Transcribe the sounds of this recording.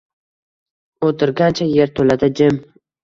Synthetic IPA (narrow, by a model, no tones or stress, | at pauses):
ot̪ʰɪɾɡʲant͡ʃʰaje̞ɾt̪ʰolad̪ɪd͡ʒɪm